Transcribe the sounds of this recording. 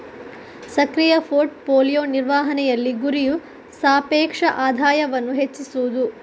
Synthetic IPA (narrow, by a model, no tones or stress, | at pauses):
sɐkɾijɐfʰoːɾʈ̚poːlijoːniɾʋaːɦɐnɛjɐlːiɡuɾiju | saːpɛːkʂɐʔaːd̪ʱaːjɐʋɐnːuɦet͡ʃːisuud̪u